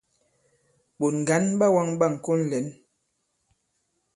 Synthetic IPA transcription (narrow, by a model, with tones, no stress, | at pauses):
ɓo˨nŋ˨ɡa˨˦nɓa˦wa˦ŋɓa˦˨ŋ̩˨ko˦n˦lɛ˨˦n